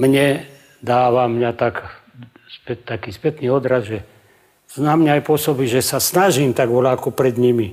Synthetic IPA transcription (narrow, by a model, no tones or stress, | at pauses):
mɲɛ | d̪aːʋamɲat̪ak | spɛt̪ːakiːspɛt̪niːɔd̪ɾazʒɛ | znaːmɲaajpʊɔsɔbiʒɛsasnaʒiːmt̪aɡʋɔlaːkɔpɾɛd̪ɲimi